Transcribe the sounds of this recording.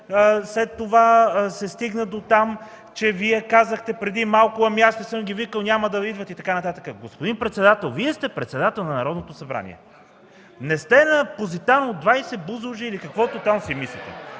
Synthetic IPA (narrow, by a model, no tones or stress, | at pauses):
əslɛt̪ːovasɛst̪iɡnəd̪ot̪am | t͡ʃɛviɛkazəxt̪ɛpɾɛd̪imalˠkʊɐmjast̪osɤmɡʲivikəlˠnʲaməd̪ɐid̪vət̪it̪ɐkanɐt̪at̪əkəɡospod̪inpɾɛt̪sɛd̪at̪ɛlˠviɛst̪ɛpɾɛt̪sɛd̪at̪ɛlˠnɐnɐɾɔd̪not̪osɐbɾa̰nḭɛ̰ | nɛst̪ɛnɐpozit̪anod̪d̪vajsɛbuzuʒiiːlikɐkvɔt̪ot̪amsimislʲit̪ɛ̰